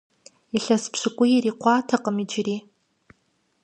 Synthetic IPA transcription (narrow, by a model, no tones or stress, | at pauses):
iɬɐspʰɕɨkʷʼʊjiriːqʷɑːtʰɐqʼəmid͡ʒɪriː